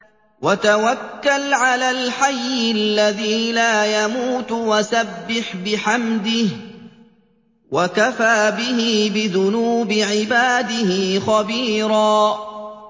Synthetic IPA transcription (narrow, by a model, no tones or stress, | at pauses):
wat̪awakːalʕalaːlħajːɪalːaðiːlaːjamuːt̪wasabːɪħbɪħamd̪ɪh | wakafaːbɪɦɪbɪðʊnuːbɪʕɪbaːd̪ɪhɪxɑbiːɾɑː